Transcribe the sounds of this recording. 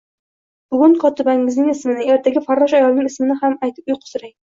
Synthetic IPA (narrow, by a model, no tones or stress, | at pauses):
b̥ʊɡʲʊŋkʰɒt̪ɪbaŋɪznɪŋɪsmɪnɪe̞ɾt̪ʰaɡʲɪfaɾːɒʃajɒlnɪŋɪsmɪnɪhamajt̪ʰɪ̥p̚ʊjqʰʊ̥sɪɾaj